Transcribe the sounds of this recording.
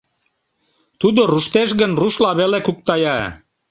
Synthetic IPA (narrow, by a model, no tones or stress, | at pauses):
t̪ud̪oruʃt̪eʃɣənruʃlɑβelekuk̚t̪ɑjɑ